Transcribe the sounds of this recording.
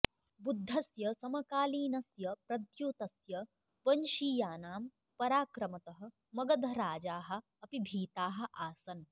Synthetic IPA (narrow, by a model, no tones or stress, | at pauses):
bud̪ʱːɐsjɐsɐmɐkaːliːnɐsjɐpɾɐd̪joːt̪ɐsjɐ | pɐnʃiːjaːnaːm | pɐɾaːkɾɐmɐt̪ɐɦɐ̆ | mɐɡɐd̪ʱɐɾaːd͡ʒaːɦɐ̆ | ɐpibʱiːt̪aːɦɐ̆ʔaːsɐn